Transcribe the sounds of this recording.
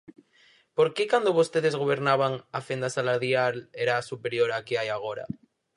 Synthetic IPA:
po̞ɾkekand̪oβost̪eð̞e̞zɣ̞o̞β̞e̞ɾnaβaŋafend̪asalaɾðjaleɾasupeɾjo̞ɾakeajaɣ̞o̞ɾa̰

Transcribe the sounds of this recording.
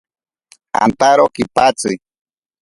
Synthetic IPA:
a̰nt̪aɾokipat͡sɨ

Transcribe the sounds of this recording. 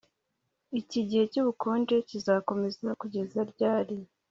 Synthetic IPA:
iciɟihe̞cuβukʰuːnde̞cizaːko̞me̞zakuɟe̞zaɾɟaːɾi

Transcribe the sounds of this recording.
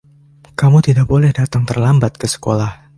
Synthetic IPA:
kamut̪idaʔ̚bolɛhdat̪aŋt̪ərlambat̪̚kəsə̥kolah

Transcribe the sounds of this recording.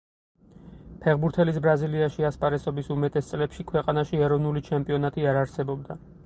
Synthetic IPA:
pʰɛʁbuɾt̪ʰɛlisbɾaziliaʃiaspʼaɾɛsɔbisumɛt̪ʼɛst̪sʼlɛpʃikʰwɛqʼanaʃiɛɾɔvnulit͡ʃʰɛmpʼiɔnat̪ʼiaɾaɾsɛbɔbd̪a

